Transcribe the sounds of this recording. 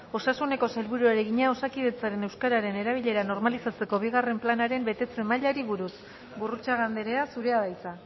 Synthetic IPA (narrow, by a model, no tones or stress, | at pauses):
o̞sasune̞ko̞salβuɾuaɾe̞ɣiɲao̞sakið̞e̞t͡saɾe̞ne̞wskaɾaɾe̞ne̞ɾaβ̞iʎe̞ɾano̞ɾmalisat͡se̞ko̞β̞iɣare̞mplanaɾe̞mbe̞t̪e̞t͡se̞maʎaɾiβuɾus | βurut͡saɣ̞and̪e̞ɾe̞asuɾe̞aðajt͡sa